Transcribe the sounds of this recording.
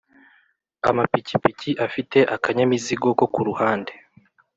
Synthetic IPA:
a̰mapicipiciʔafite̞ʔakaɲamiziɡo̞ko̞kuɾuhaːnde̞

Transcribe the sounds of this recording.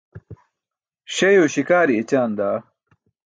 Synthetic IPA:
ɕɐjoːɕikaːɾiet͡ɕaːnd̪aː

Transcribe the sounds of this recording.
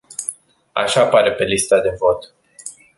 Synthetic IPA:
a̰ʃapaɾe̞pe̞list̪ad̪e̞vo̞t̪

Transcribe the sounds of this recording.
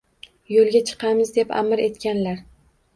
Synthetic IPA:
jolˠɡʲat͡ʃʰɨ̥qʰɑmɪzd̪e̞pa̰mɪɾe̞t̪kʲanlaɾ

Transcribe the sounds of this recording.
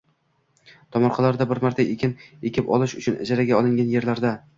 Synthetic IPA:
t̪ʰɒmɒɾχʰɑlaɾd̪abɪɾmaɾt̪ʰaʔekʲʰɪnekʲʰɪpɒ̰lˠɪʃʊt͡ʃʰʊnɪ̰d͡ʒaɾaɡʲaɒlˠɪŋʲanje̞ɾlaɾd̪a

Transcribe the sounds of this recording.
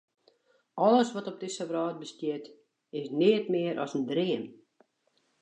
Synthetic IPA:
ɔləsʋɔtɔp̚dɪsəʋrɑːt̚bəstjɪət | ɪsnɪətmɪəɾʔɔ̰səndriəm

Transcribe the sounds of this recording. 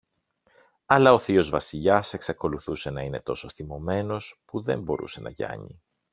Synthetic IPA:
ɐlɐo̞θio̞zvɐsiʎɐse̞ksɐko̞luθuse̞nɐine̞t̪o̞so̞θimo̞me̞no̞spuðe̞mbo̞ɾṵse̞nʔɐ̰ʝɐ̰ɲḭ

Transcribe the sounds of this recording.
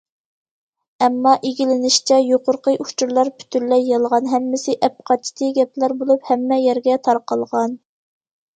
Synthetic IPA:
ɛmːɑʔiɡʲilɪnɪʃt͡ʃʰɛjoqʊɾqəjʔut͡ʃʰuɾlˠɑɾpʰy̥t̪ʰyɾlɛjːɑlˠʁɑnɦɛmːɪsɪʔɛp̚qʰɑt͡ʃʰːi̥t̪ʰɨɡʲɛplæɾbolˠuphɛmːɛjɛɾɡʲɛt̪ʰɑɾqɑlˠʁɑn

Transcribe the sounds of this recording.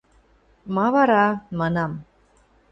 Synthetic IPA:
mɑβɑɾɑmɑnɑm

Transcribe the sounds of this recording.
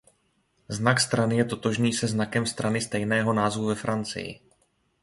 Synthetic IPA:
znakst̪ɾanɪjɛt̪o̞t̪o̞ʒniːsɛznakɛmst̪ɾanɪst̪ɛjnɛːɦo̞naːzvuvɛfɾant͡sɪ̰jɪ̰

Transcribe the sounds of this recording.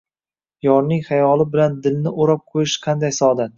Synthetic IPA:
jɒɾnɪŋχajɒlɪbɪland̪ɪlnɪʔoɾɒp̚qʰojɪʃqʰɑnd̪ajsɒd̪at̪

